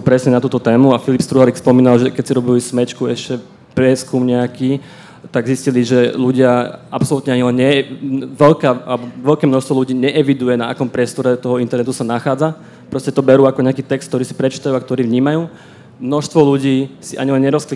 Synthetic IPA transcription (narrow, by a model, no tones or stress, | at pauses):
pɾɛsɲɛnat̪uːt̪ɔt̪ɛːmuafilipst̪ɾuɦaɾikspɔmiːnalʒɛkɛcsiɾɔbilismɛt͡ʃkuɛʃcɛ | pɾɪɛskumɲɛakiː | t̪aɡzisciliʒɛluɟɪaapsɔlut̪ɲɛaɲilɛɲɲɛʋɛʎkaːalɛbɔʋɛʎkɛːmnɔʃst̪ʋɔluɟiːɲɛʔɛʋid̪ujɛna̰akɔmpɾɪɛst̪ɔɾɛt̪ɔɦɔint̪ɛɾnɛt̪usanaxaːd͡za | pɾɔscɛt̪ɔbɛɾuːakɔɲɛakiːt̪ɛkst̪̚t̪ɔɾiːsi̥pɾɛt͡ʃi̥ːt̪ajuːakt̪ɔɾiːʋɲiːmajuː | mnɔʃst̪ʋɔluɟiːsiʔa̰ɲilɛnɲɛɾɔskli